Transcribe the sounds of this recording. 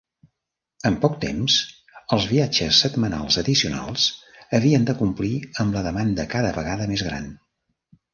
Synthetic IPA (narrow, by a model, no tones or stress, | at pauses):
əmpɔk̚t̪ḛmz | əlˠzβiad͡ʒəsːət̪məna̰lˠzəðisiuna̰lˠsəβiənd̪əkumpliəmbləðəmand̪əkaðəβəɣaðəmezɣɾa̰n